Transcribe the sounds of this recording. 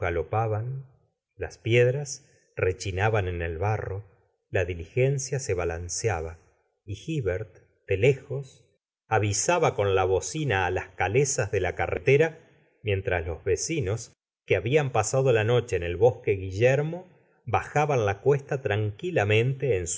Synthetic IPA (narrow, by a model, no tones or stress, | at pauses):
ɣalo̞paβan | laspjeðɾas | re̞t͡ʃinaβanenelβaro̞ | laðilixe̞nsjase̞βalansjaβa | ixiβeɾt̪ | d̪̥e̞lexo̞s | aβisaβako̞nlaβo̞sinaːlahkalesazðe̞lakarʔet̪eɾa | mje̞nt̪ɾaslo̞zβesino̞s | keaβiampasaðolano̞t͡ʃe̞ːne̞lβo̞ske̞ɣiʒeɾmo̞ | βaxaβanlakwe̞st̪at̪ɾaŋkilamẽ̞nt̪e̞ːns